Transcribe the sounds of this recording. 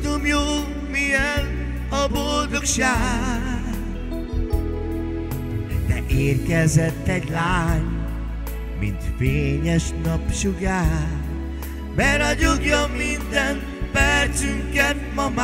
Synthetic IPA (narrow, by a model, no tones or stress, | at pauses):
d̪omjoːl | mijɛn | ɒbold̪okʃaː | d̪ɛ̰ʔeːrkɛzɛt̪ːɛɟlaːɲ | mḭnt̪feːɲɛʃnɒpʃuɡaː | bɛɾɒɟoɡjɒmːind̪ɛn | pɛrt͡ʃyŋkɛt̪mɒma